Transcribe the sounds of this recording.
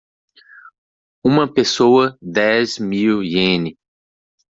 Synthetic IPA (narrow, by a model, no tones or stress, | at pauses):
ũmɐpesowɐd̪ɛzmiwiẽnɪ